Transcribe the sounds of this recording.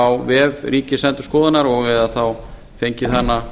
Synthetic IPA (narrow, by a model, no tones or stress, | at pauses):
awvɛvɾiːcɪsɛnt̪ʏ̥skɔːðɪnaɾɔɣɛðaθaw | fejɲcɪθanːa